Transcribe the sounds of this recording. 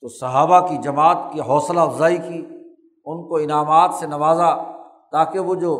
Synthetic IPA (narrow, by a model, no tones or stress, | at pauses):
t̪oːsɐɦaːbakid͡ʒɐmaːt̪kiɦɔːslaɐfzaːikiː | ʊnkoɪnaːmaːt̪senɐʋaːza | t̪aːkeʋod͡ʒoː